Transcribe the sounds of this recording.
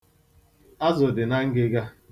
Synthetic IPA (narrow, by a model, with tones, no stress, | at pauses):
a˦zʊ˨dɪ˨na˦ŋ̩˦ɡɪ˦ɡa˦